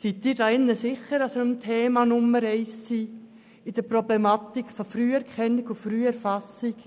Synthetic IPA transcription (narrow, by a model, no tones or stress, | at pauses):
sit̪ːiːɾdaɪnːəsɪχəɾɑsəəmt̪ʰeːmɑnʊməɾɛɪsːiː | ɪd̥̪əɾprɔblɛmɑt̪ikfɔfɾyːɛɾkʰɛnːikufɾyːɛɾfɑsɪk